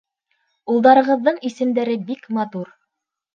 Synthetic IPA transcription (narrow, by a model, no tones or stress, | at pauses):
ulˠd̪ɑɾɤ̆ʁɤ̆ðːɤɴisɘ̆md̪æɾɘbikmɑt̪uɾ